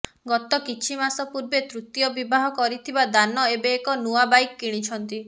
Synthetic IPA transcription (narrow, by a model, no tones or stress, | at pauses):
ɡɔt̪ɔkit͡ʃʰimasɔpuɾbet̪ɾut̪jɔbibaɦɔkɔɾit̪ʰibad̪anɔebeːkɔnuabajkːiɽ̃it͡ʃʰɔnt̪i